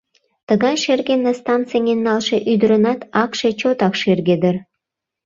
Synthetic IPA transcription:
t̪əɣɑjʃerɣenːest̪ɑnt͡sɨjŋenːɑlʃeʔyd̪əɾənɑt̪ɑkʃe̽t͡ɕot̪ɑkʃerɣed̪ər

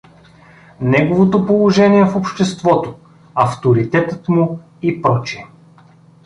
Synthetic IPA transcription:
nɛɡovot̪opolˠoʒɛniɛfopʃt̪ɛst̪vɔt̪o | ɐft̪oɾit̪ɛt̪ət̪mʊ | ipɾɔt͡ʃi

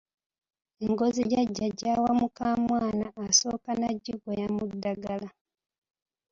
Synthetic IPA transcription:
eŋɡo̞ziɟaɟːaɟːaːwamukaːmwaːnaːso̞ːkanaɟːiɡojamudːaɡala

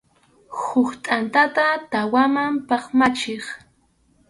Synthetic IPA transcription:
hʊχt̪ʼant̪at̪at̪awamampɑχmat͡ʃeχ

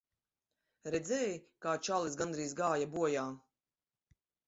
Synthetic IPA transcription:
ɾɛd̪zɛːjkaːt͡ʃalˠisɡand̪ɾiːs̬ɡaːjabuɔjaː

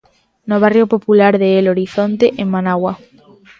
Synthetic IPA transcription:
noβ̞arjopopulaɾðeeloɾiθont̪eʔeŋmanawa

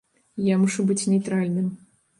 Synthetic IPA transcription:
jamuʂubɨt͡sʲnʲejt̪ɾalʲnɨm

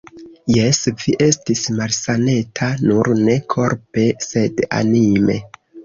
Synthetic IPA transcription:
je̞sviʔe̞stismalsane̞tʰanuɾne̞kʰo̞ɾpe̞se̞da̰nime̞̰

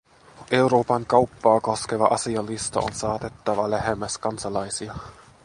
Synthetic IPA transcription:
ʔeuɾoːpɑŋkɑwpːɑːko̞skeʋɑʔɑsiɑlːist̪o̰o̰nsɑːt̪et̪ːɑʋɑlæɦemːæskɑnsɑlɑjsiɑ

